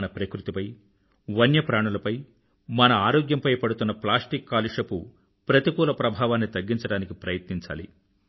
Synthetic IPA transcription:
nɐpɾɐkɾut̪ipɐj | ʋɐnjɐpɾaːɳɐlɐpɐj | mɐnɐaːɾoːɡjɐmpɐjpɐɽut̪unːɐplaːsʈikːaːliʂɐpu | pɾɐt̪ikuːlɐpɾɐbʱaːʋaːnːit̪ɐɡːiɲt͡ʃɐɽaːnikipɾɐjɐt̪niɲt͡ʃa̰ːlḭ

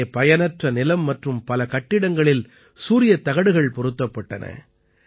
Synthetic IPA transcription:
ɐpɐjɐnɐʈrɐnɪlɐmːɐʈrɯmpɐlɐkɐʈːɪɽɐŋɡɐɭɪl | suːɾɪjɐt̪ːɐɣɐɽɯɣɐɭpɔɾɯt̪ːɐpːɐʈːɐ̰nɐ̰

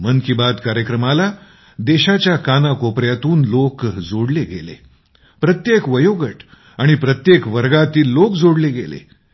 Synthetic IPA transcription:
mənkibad̪kaɾjəkɾəmala | d̪eɕat͡ɕjakanakopɾjat̪uːnlokd͡zoɽleɡḛlḛ | pɾət̪jekʋəjoɡəʈ | aɽ̃ipɾət̪jekʋəɾɡat̪iːlːokd͡zoɽleɡelḛ

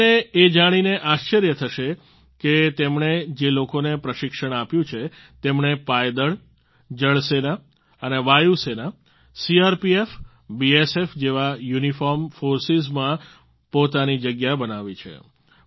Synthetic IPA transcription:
eed͡ʒaɽ̃ineʔaʃt͡ʃəɾjət̪ʰəʃe | ket̪emɳed͡ʒelokonepɾəʃɪkʃəɽ̃apjũt͡ʃʰe | t̪emɳepajd̪əɭ | d͡ʒəɭsena | əneʋajusena | siaɾpief | biesefd͡ʒeʋajunifɔɾmfoɾsizmã | pot̪anid͡ʒəɡjabənaʋit͡ʃʰḛ

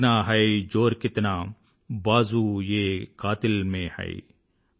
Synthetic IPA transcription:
naːɦɐjd͡ʒoːɾkɪt̪naː | baːzuːjeːkaːt̪ɪlmẽːhɐ̰ḭ

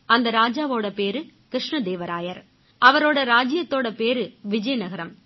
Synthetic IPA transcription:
ɐnd̪ɐɾaːd͡ʒaːʋoːɽɐpeːɾɯkɾɪʂɳɐd̪eːʋɐɾaːjɐɾ | ʔɐʋɐɾoːɽɐɾaːd͡ʒɪjɐt̪ːoːɽɐpeːɾɯʋɪd͡ʒɐjɐnɐɣɐɾɐm

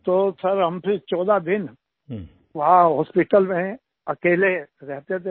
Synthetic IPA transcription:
t̪oːsɐɾɦɐmpʰɪɾt͡ʃɔːd̪ad̪ɪn | ʋɐɦãɦɔːspɪʈəlmẽ | ɐkeːleɾɛɦt̪et̪ʰe

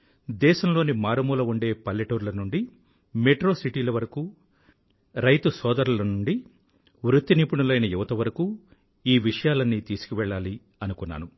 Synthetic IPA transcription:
d̪ɛːʃɐmlo̞ːnimaːɾɐmuːlɐuɳɖe̞ːpɐljɐʈoːɾlɐnuɳɖi | meʈɾo̞ːsiʈiːlɐʋɐɾɐkuː | ɾɐjt̪usɔːd̪ɐɾulɐnuɳɖi | ʋɾut̪ːiniːpuɳɐlɐjnɐjuʋɐt̪ɐʋɐɾɐkuː | iːʋiʂɐjaːlɐnːiːt̪iːsu̥kuʋɛɭːaːli | ɐnukunːa̰ːnu

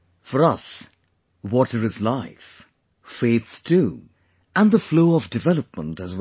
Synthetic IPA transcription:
fə˞ʌs | wɔɾə˞ɨzlaɪf | feɪθtʰu | ə̃nðəfloʊʌvdɨvɛlˠəp̚mə̃ntɨzw

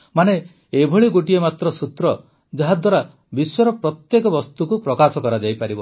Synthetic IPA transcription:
mane | ebʱɔɭiɡoʈiemat̪ɾɔsut̪ɾɔ | d͡ʒɔɦad̪waɾa | biswɔɾɔpɾɔt̪jekɔbɔst̪ukupɾɔkasɔkɔɾad͡ʒajpaɾibɔ

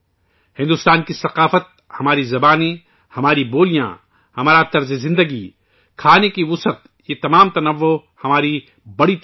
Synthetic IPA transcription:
hɪ̃nd̪ʊst̪aːnkisɐqaːfət̪̚ | hɐmaːɾizɐbaːnẽ | hɐmaːɾiboːlijã̰ | hɐmaːɾat̪ɐɾzezɪ̃nd̪əɡi | kʰaːnekiʋʊsət̪ | jet̪ɐmaːmt̪ɐnɐʋːo | hɐmaːɾi | bɐɽit̪

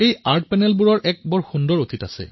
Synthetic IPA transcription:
ejaɹt̚pɛnɛlbuɹɔɹʔɛk̚bɔɹxundɔɹotʰitasɛ̰

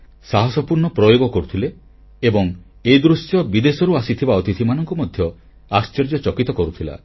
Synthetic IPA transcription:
saɦɔsɔpuɾɳɔpɾɔjoɡɔkɔɾut̪ʰile | ebɔŋed̪ɾusjɔbid̪esɔɾuasit̪ʰibaɔt̪it̪ʰimanɔŋkɔmɔd̪ʱjɔ | ast͡ʃeɾd͡ʒɔt͡ʃɔkit̪ɔkɔɾut̪ʰila̰

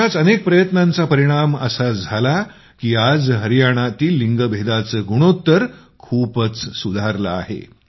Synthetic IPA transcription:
at͡sənek̚pɾəjət̪nant͡sapəɾiɽ̃amə̰sad͡zʱala | kiːad͡zɦəɾijaɽ̃at̪iːlːiŋɡəbʱed̪at͡səɡuɽ̃ot̪ːəɾ | kʰuːpət͡ssud̪ʱaɾla̰ːɦḛ

